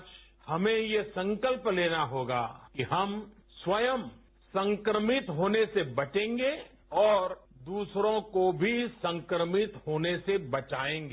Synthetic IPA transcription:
t͡ʃ | hɐmẽjesɐ̃ŋkəlpleːnaɦoːɡa̰ːkiɦɐmswɐjəm | sɐ̃ŋkɾəmɪt̪ɦoːnesebɐt͡ʃẽːŋɡe | ɔːɾd̪uːsɾõkobʱisɐ̃ŋkɾəmɪt̪ɦoːnesebɐt͡ʃaːẽːŋɡeː

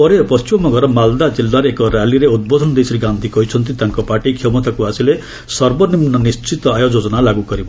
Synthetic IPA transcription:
ɔɾepɔst͡ʃimɔmɔɡɔɾɔmald̪ad͡zilːaɾeːkɔɾaliɾeud̪̚bod̪ʱɔnd̪esiɾiɡand̪ʱikɔit͡ʃʰʌnt̪̬it̪aŋkɔpaʈikʰemɔt̪akuasile | sʌɾbɔnimnɔnist͡ʃit̪ɔajod͡zod͡zɔnalaɡukɔɾib

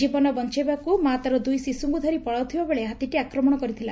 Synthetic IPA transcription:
d͡ʒibɔnɔbɔnt͡ʃebakumat̪ɔɾɔd̪ujsisuŋɡud̪ʱɔɾipɔɭawt̪ʰibabeɭeɦat̪iʈiakɾɔmɔɽ̃ɔkɔɾit̪ʰila

